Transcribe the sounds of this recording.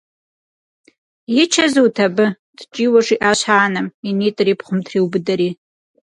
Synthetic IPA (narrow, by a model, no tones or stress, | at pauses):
it͡ʃʰazuwtʰabɨ | d̥t͡ʃʼiwaʂiʔaɕʷaːnaminitʼripʰχʷʊmtʰriwbɨdaɾi